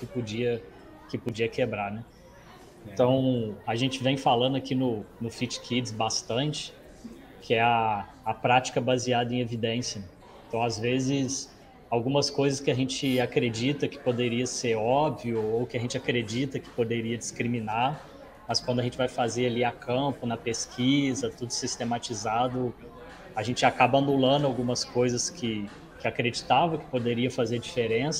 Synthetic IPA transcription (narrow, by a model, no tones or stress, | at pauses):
kɪpod͡ʒiɐ | kɪpod͡ʒiɐkebɾaɾnɛ | ẽt̪ɐ̃w̃aʒẽt͡ʃɪvẽj̃falɐ̃d̪ʊakinʊnʊfit͡ʃkʰid͡ʒsbast̪ɐ̃nt͡ʃɪ̥ | kʰɪɛaː | pɾat͡ʃi̥kɐbaziad̪ɐẽj̃evid̪ẽsjɐ | ẽnt̪ɐ̃w̃azvezɪs | awɡũmɐskojzɐskɪaʒẽnt͡ʃɪakɾed͡ʒit̪ɐkɪ̥pod̪eɾiɐseɾɔbviʊowkɪɐʒẽt͡ʃɪakɾed͡ʒit̪ɐkɪ̥pod̪eɾiɐd͡ʒɪskɾimĩnaɾ | mɐskwɐ̃nd̪ʊɐʒẽnt͡ʃɪvajfazeɾaliakʰɐ̃pʊnɐpeskʰizɐt̪ud̪ʊsist̪emat͡ʃizad̪ʊ | aʒẽnt͡ʃɪakabɐɐnulɐ̃nd̪ʊawɡũmɐskojzɐskʰɪ | kɪakɾed͡ʒit̪avɐkɪ̥pod̪eɾiɐfazeɾd͡ʒifeɾẽsɐ